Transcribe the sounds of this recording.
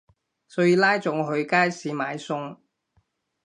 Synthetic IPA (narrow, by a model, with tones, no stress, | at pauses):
sɔː˨˧˥jiː˨˧laː˥jt͡sʊ˨˥ŋɦɵ˧ɥkaː˥jsiː˨˥maː˨˧jsʊ˥ŋ